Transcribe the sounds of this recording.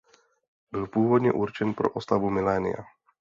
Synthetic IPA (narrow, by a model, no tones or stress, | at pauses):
bilˠpʊuːʋɔd̪ɲɛʔuɾt͡ʃɛnpɾɔ̰ʔɔst̪aʋumilɛːnḭa̰